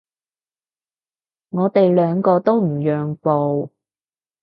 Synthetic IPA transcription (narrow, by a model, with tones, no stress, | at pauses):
ŋɔː˨˧t̪e˨jlœː˨˧ŋkɔː˧t̪o˥wm̩˨˩jœː˨ŋpo˨w